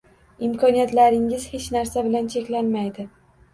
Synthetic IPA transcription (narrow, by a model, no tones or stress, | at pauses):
ɪmkʰɒnijat̪laɾɪŋɪz̥het͡ʃnaɾsabɪlant͡ʃʰekʲlanmajd̪ɪ